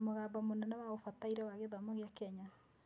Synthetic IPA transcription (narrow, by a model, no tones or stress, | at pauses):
moɣaːbɔmonɔnawaɣofataiɾɛwaɣeðɔmɔɣeakɛɲa